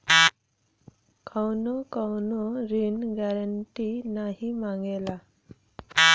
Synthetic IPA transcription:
kʰawnɔkawnɔɾinɡɛɾəɳʈinaɦimaŋɡela

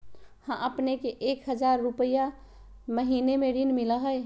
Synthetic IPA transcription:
hãʔəpnekeʔekɦəd͡ʒaɾːupəja | məɦinemeɖinmiləɦəj

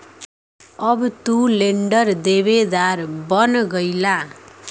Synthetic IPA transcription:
ʌbt̪uleɳɖʌrd̪ebed̪aɾbʌnɡʌjla

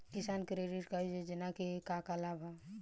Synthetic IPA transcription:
kɪsaːnkɾeɖiʈkaid͡ʒed͡ʒɪnakekakalabʱa

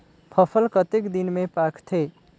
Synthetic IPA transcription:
pʰʌpʰəlkʌt̪ekd̪inmepakt̪ʰe

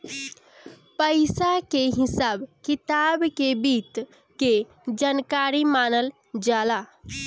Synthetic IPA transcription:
pəɪsakeɦɪsaːbkɪt̪aːbkebiːt̪ | ke | d͡ʒankaːɾimaːnəl | d͡ʒaːla

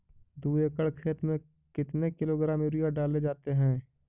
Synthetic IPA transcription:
d̪uːekəɭkʰeːt̪mẽ | kɪt̪nekɪloɡɾãːmeɾijaɖaːled͡ʒaːt̪eɦɛ̃ː

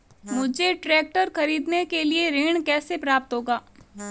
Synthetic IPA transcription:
mʊd͡ʒeʈɾɛːk̚ʈəɾxɐɾiːd̪nekelieɾeːɽ̃kɛːsepɾaːp̚t̪ɦoːɡaː

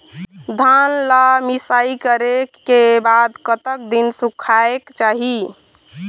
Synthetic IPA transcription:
d̪ʱanlamisaikəɾekːebad̪kət̪ək̚d̪insukʰaekt͡ʃaɦi

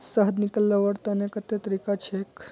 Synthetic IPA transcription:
səɦd̪nikəlːaʋəɽt̪anekət̪et̪əɾikat͡ʃʰek

